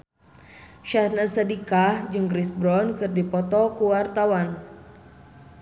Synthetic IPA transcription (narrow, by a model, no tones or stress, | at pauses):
ʃahnasadikahd͡ʒɨŋɡɾisbɾɔnkɨrdipɔt̪ɔkuwart̪awan